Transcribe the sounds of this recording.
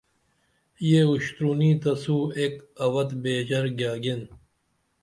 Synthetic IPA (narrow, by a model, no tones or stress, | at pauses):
jeuɕt̪ɾuːniːt̪ɐsuːekɐwɐt̪beːd͡ʑɐɾɡjaːɡen